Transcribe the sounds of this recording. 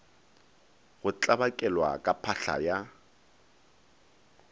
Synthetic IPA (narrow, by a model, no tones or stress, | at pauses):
ɣʊt͡ɬʼabakʼɛlwa̰kʼapʰaɬa̰ja